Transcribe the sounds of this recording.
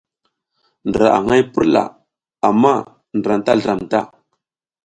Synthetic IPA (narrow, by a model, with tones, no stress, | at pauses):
ndə˨ɾa̰˨ʔa̰˨ŋa˦jpə˦ɾla̰˨ | a˨mːa˦ | ndɾa˨nta˦ɮə˨ɾa˨mta˦